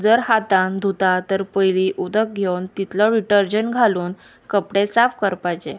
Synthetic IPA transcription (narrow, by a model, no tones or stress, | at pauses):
d͡zəɾhat̪and̪ʱut̪at̪əɾpəjɭiʔud̪ək̚ɡʱewnt̪it̪ləɾiʈəɾd͡ʑəɳɡʱaluːn | kəpɽesafkəɾpat͡ɕe